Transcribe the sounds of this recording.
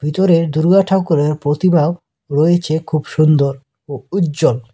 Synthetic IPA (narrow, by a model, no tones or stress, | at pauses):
bʱit̪oɾeɾd̪uɾɡaʈʰakoɾeɾpɾot̪imao | ɾojet͡ɕʰekʰubʃund̪oɾ | outːd͡ʑol